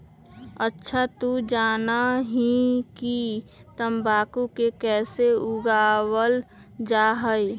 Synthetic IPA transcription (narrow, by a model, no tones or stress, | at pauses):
ətːʃʰat̪ud͡ʒaːnaɦikit̪əmbaːkukekɛːseʊɡaːwəl | d͡ʒaːɦəe